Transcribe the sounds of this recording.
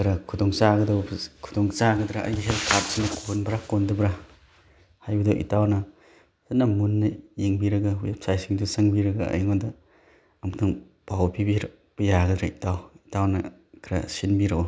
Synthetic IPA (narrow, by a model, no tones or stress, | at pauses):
kʰɾɐkʰudɔŋsaɡɐdɔbkʰu̥dɔŋsaɡɐdɾaʔɐ̰jɡɦelkʰat̚siŋnɐkʰonbɾakondɐbɾa | hajbɐdoʔḭtawnɐ | sɐnːɐmunːɐjiŋbiɾɐɡawep̚sajsiŋdusɐŋbiɾɐɡaɐ̰jŋɔdɐ | ɐmtʰaŋ | pawpʰibiɾ | b̥ɐjaɡɐdɾɐitawitawnɐ | kʰɾa̰sinbiɾɐo